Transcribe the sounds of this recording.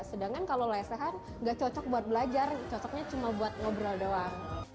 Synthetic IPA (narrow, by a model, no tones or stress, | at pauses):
sədaŋkankalolaasaɦan | ŋɡaʔt͡ʃɔt͡ʃɔk̚buat̪̚bəlad͡ʒart͡ʃɔt͡ʃɔk̚ɲat͡ʃumabuat̪̚ŋobɾaldowa